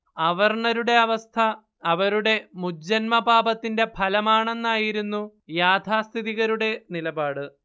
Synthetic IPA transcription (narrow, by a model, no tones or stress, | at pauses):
ɐʋɐrɳɐɾuɽe̞ɐʋɐst̪ʰɐː | ʋɐɾuɽe̞muːɐnmɐbaːbɐt̪ːinde̞pʰɐlɐmaːɳe̞nːaːjiɾunːu | jaːt̪ʰaːst̪ʰiðiɣɐɾuɽe̞nilɐbaːɽɨ